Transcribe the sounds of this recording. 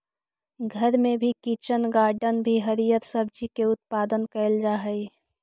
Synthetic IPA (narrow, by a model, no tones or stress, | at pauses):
ɡʱəɾmẽbʱikit͡ʃənɡaːɾɖənbʱiɦəɾijət̪səbd͡ʒikeʊt̪̚paːd̪ənkɛɪld͡ʒaɦəi